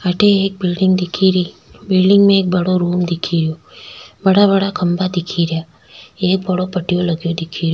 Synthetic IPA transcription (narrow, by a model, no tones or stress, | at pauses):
aʈʰeːk̚bɪlɖɪŋɡd̪ikʰiɾi | bɪlɖɪŋɡmẽek̚bəɽoɾumd̪ikʰiɾjo | bəɽabəɽakʰəmbad̪ikʰiɾja | ek̚bəɽopəʈijoləɡjod̪ikʰiɾjo